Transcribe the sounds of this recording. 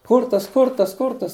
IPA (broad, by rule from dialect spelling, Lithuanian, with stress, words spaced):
ˈkʊrtɐs ˈkʊrtɐs ˈkʊrtɐs